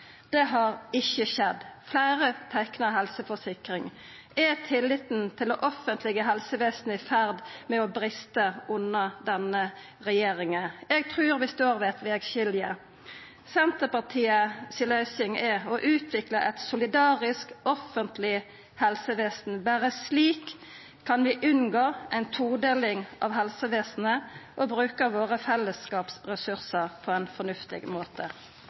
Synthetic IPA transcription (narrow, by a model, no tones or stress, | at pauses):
d̪̥ɛɦɑɾɪçːəʃɛd̪flæɪʁət̪ʰæknəɦɛlsəfɔsɪkʁɪŋ | ɛt̪ʰɪlːɪt̪n̩t̪ʰɪlɔʔɔfːənt̪ʰlɛɡəɦɛlsəʋeːsn̩əɪfæʁd̪mɛɔbɾɪst̪əʊnːəd̪ɛnə | ʁɛjeːʁɪŋəɛɡ̚t̪ʰʁʉːɾʋɪst̪oːʁʋɛt̪ʋɛːɡʃɪljə | sɛnt̪əpɑʁt̪ʰiːəsɪlœʏsɪŋɛɔʔʉːt̪ʰʋɪkləʔɛt̪sʊlɪd̪ɑːʁɪskɔfənt̪lɪ | hɛlsəʋeːsn̩bæːʁəsliːkʰː | ɑnʋɪʔʉnɡoːʔæɪnt̪ʰuːd̪eːlɪŋʔɑ̰ʋɦɛlsəʋeːsn̩əʔɔbɾʉːkəʋoːʁəfɛlːəskɑːpsʁɛsʉɾsəɾpʰɔɛɪnfɔnʉft̪ɪ̰ɡmoːt̪ʰə